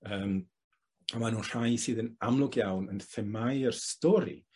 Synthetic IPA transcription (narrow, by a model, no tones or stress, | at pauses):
əːm | amanuːnr̥ajsɨːðənamlˠʊɡjawnənθɛmajərstɔɾḭ